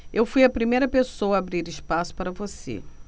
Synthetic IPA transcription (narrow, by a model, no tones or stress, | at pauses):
ewfujɐpɾimejɾɐpesowɐːbɾiɾɪʃpasʊ̥paɾɐvosḛ